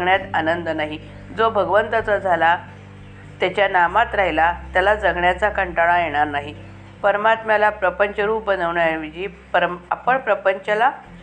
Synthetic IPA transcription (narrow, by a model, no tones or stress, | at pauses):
ɡɳjat̪anənd̪ənaɦi | d͡zobʱəɡʋənt̪ət͡sad͡zʱala | t̪jat͡ɕjanamat̪ɾaɦilat̪jalad͡zəɡɳjat͡sakəɳʈaɽ̃ajeɽ̃aɾnaɦi | pəɾmat̪malapɾəpəɲt͡ɕəɾuːp̚bənəʋɳaʋid͡ʑiːpəɾa̰pəɳpɾəpəɲt͡ɕəla